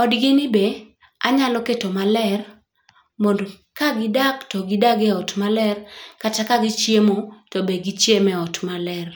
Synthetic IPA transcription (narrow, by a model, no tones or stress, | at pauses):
ɔdɡɪnɪbe | a̰ɲaloketomalɛr | mond | kaɡɪdaktɔɡɪdaɡɛɔtmalɛrkatakaɡɪt͡ʃjemotɔbeɡit͡ʃjemɛɔtmalɛr